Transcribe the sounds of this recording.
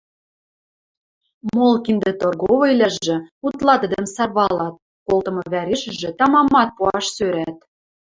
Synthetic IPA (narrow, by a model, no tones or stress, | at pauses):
molˠkind̪ĕt̪orɣoβɤ̆ilʲæʒʒĕut̪lˠɑt̪ə̆d̪ə̆msɑrβɑlɑt̪̚ | kolt̪ɤ̆mɤ̆βæɾeʃə̆ʒĕt̪ɑmɑmɑt̪̚puɑʃsøɾæt̪